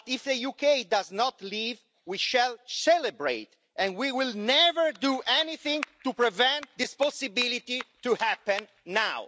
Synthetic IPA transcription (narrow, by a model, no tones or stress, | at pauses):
t̪ifðəjukejd̪aznɔt̪liv | wiʃɛlsɛlɛbɹḛjt̪ | ʔɛ̃nwiwilnɛvəɹd̪uʔɛniθĩŋt̪upɹɛvɛ̃nt̪̚d̪ispɔsibilit̪it̪uhæpɛ̃nː | aw